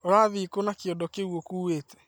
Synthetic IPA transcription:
oɾaðikonakjɔdɔkewokuweːte̥

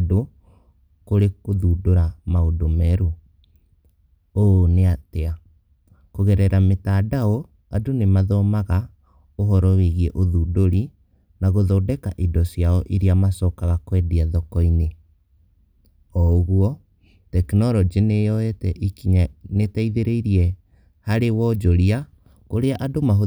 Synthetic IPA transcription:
do | koɾekoðudoɾamaodomɛɾu | oneatea | koɣɛɾɛɾametadao | adonemaðɔmaɣa | oɦɔɾɔweɣiɛʔoðuːdoɾi | naɣoðɔdɛkaʔidɔsjaɔʔiɾiamasɔkaɣakwɛdiaðɔkɔine | ɔɣuɔ | tɛknɔɾɔd͡ʒenejɔɛtɛʔikiɲanetaiðeɾeiɾiɛ | haɾewɔd͡ʒoɾia | koɾeaʔadomaɦo

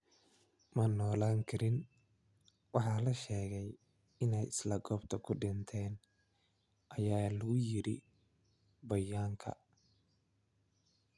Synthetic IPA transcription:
mɐnɔːlaːŋkʰɐɾɪn | wɑħɑlɐʃɛːɣɛj | ɪnɛjɪslɐɡɔːbt̪ʰɐkʰʊɖɪnt̪ʰɛːn | ʔɐjaːlɐɣʊjɪɾɪ̰ | bɐjaːŋkʰɐ̰

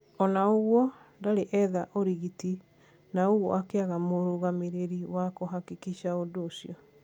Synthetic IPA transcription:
ɔnaoɣwɔ | ndaɾeʔɛðaʔoɾiɣiti | naoɣwɔ̰ʔakeaɣamoɾoɣameɾeɾiwakoɦakikiɕaodoːsiɔ

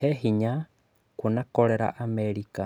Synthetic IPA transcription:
eɦiɲa | kunakoleɾa̰ʔameɾika

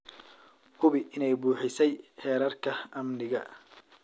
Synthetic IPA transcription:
hʰʊβɪʔɪnɛjbuːħɪsɛjħɛːɾɐrkʰɐɐmnɪɣɐ

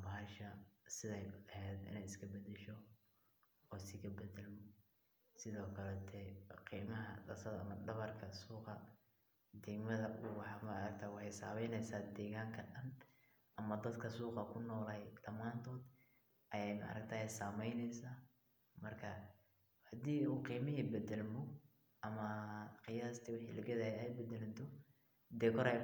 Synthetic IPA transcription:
bɐɦɐʃɐsɪðɛjɛhɛːd̪ɪ̰nɛjɪskʰɐbɐd̪ɛʃɔ | ɔːsɪkʰɐbɛdɛlm | sɪðɔːkʰɐlɛt̪ʰɛqiːmɐɦɐ̰dɐsɐðɐɐ̰mɐɖɐβɐrkʰɐsuːqɑ | d̪ɛɡmɐðɐʔuwɑħɑːmɐɐɾɐk̚t̪ʰaːwɑħɑjsaːmɛjnɛjsaːd̪ɛːɣaːŋkʰɐɖɐn | ʔɐmɐd̪ɐd̪kʰɐsuːqɑkʰʊnɔːlɛjd̪ɐmaːnt̪ʰɔːd̪ | ʔɐjɛjmɐ̰ʔɐ̰ɾɐkt̪ʰaːɛjsaːmɛjnɛjsaː | mɐrkʰɐ | hɐd̪iːuːqiːmɪɦiːbɛd̪ɛlmʊ | ʔɐmɐqɪjaːst̪ʰiwɑħḭːlɐɡɛðɐhɛɛjbɛd̪ɛlɪt̪ʰɔ | d̪ɛːkʰɔɾɛ

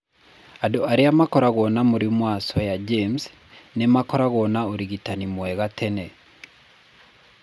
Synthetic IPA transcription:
adoaɾeamakɔɾaɣɔnamoɾimwasɔjad͡ʒems | nemakɔɾaɣɔnaoɾiɣitanimwɛɣatʰɛnɛ

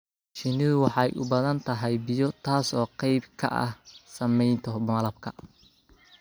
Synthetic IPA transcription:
ʃɪnɪðʊwɑħɑjʔʊ̰bɐðɐnt̪ʰɐɦɛjbɪjɔt̪ʰaːsɔːqɑjbkʰɐ̰ʔɐ̰hsɐmɛjnt̪ʰɔmɐlɐbkʰɐ

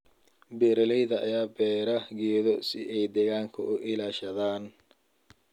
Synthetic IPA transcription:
bɛːɾɐlɛjðɐʔɐ̰jaːbɛːɾɐɣɛːðɔsɪʔɛjd̪ɛɣaːŋkʰɐ̰ʔʊʔɪlaːʃɐðaːn

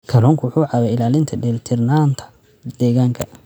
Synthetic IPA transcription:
kʰɐlɔːŋkʰwħuːʕɑβɛɪlaːlɪnt̪ʰɐɖɛlt̪ʰɪrnaːnt̪ʰɐ̥ | d̪ɛːɣaːŋkʰɐ

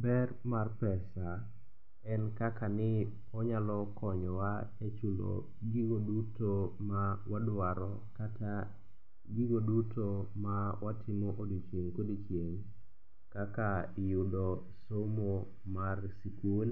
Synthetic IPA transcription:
bɛrmarpɛsa | ɛnkakanɪ | ɔɲalɔkʰɔɲɔwaet͡ʃulo̰ | ɡiɡodutomawadʊwaɾɔ | kata | ɡiɡodutomawatʰɪmɔʔodit͡ʃeŋkodit͡ʃeŋ | kakajʊdɔ | somo | marsikul

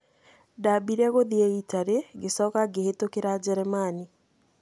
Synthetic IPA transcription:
dabiɾɛɣoðiɛitaɾeɡesɔkaɡehetokeɾad͡ʑɛɾɛmani

